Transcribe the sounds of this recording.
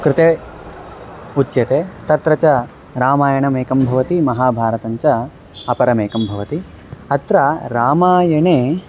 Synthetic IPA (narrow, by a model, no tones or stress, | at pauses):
kɾɪt̪eː | ut͡ʃːjɐt̪eːt̪ɐt̪ɾɐt͡ʃɐ | ɾaːmaːjɐɳɐmeːkɐmbʱɐʋɐt̪imɐɦaːbʱaːɾɐt̪ɐɲt͡ʃɐ | ɐpɐɾɐmeːkɐmbʱɐʋɐt̪i | ɐt̪ɾɐɾaːmaːjɐɳeː